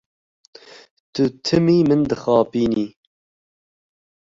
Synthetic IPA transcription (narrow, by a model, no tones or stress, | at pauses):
t̪ɨt̪ʰɨmiːmɨnd̪ɨxɑːpiːniː